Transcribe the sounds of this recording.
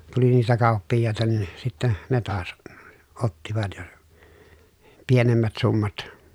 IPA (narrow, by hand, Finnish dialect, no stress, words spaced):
tuli niːtæ kɑˑupːijːɑˑetɑ nin sitːæ ne tɑːs otːiʋɑt jɑ pienemːæt sumːɑt